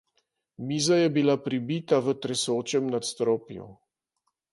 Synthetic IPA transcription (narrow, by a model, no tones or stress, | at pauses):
miːzajɛbilapɾibit̪aʋət̪ɾɛsoːt͡ʃɛmnat̪st̪ɾoːpjɔ̰